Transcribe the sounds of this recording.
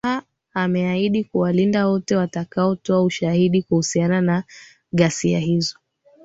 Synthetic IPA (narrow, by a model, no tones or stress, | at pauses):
a | amɛaiɗikuwalindawɔtɛwatakaɔtɔauʃahiɗikuhusianana | ɠasia̰ɦizɔ